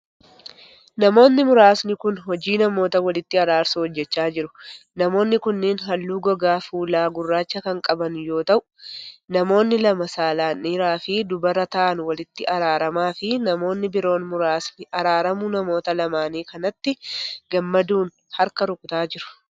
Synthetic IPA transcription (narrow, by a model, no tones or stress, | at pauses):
nɐmo̞ːnːɪmʊɾaːsnɪkʊnɦɔd͡ʒiːnɐmo̞ːt̪ɐwɐlɪt̪ːɪɐɾaːɾsuhɔd͡ʒːɛt͡ʃːaːd͡ʒɪɾʊnɐmo̞ːnːɪkʊnːɪnɦɐlːuːɡɔɡaːfuːlaːɡʊrːaːt͡ʃːɐkɐŋkʼɐbɐnjo̞ːt̪ɐʔʊ̥nɐmo̞ːnːɪlɐmɐsaːlaːnːiːɾaːfɪd̪ʊbɐrɐt̪ɐʔɐnwɐlɪt̪ːɪʔɐɾaːɾɐmaːfɪnɐmo̞ːnːɪbɪɾo̞ːnmʊɾaːsnɪɐɾaːɾɐmʊnɐmo̞ːt̪ɐlɐmaːniːkɐnɐt̪ːɪɡɐmːɐd̪uːn | hɐɾkɐɾʊkʼʊt̪aːd͡ʒɪɾʊ̥